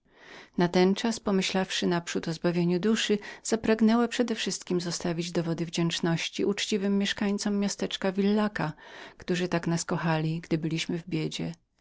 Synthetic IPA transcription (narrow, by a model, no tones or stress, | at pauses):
nat̪ɛnt͡ʂaspɔmɘɕlafʂɘnapʂut̪ɔzbavʲjeɲud̪uʂɘz̥apɾaɡnɛwapʂɛd̪ɛfʂɘst̪kʲimzɔst̪avʲid͡ʑd̪ɔvɔd̪ɘvd͡ʑɛnt͡ʂnɔɕt͡ɕiʔut͡ʂt͡ɕivɘmːjɛʂkaɲt̪sɔmːjast̪ɛt͡ʂkavʲilːakakt̪uʐɘt̪aknaskɔxalʲiɡd̪ɘbɘlʲiɕmɘvbʲjed͡ʑɛ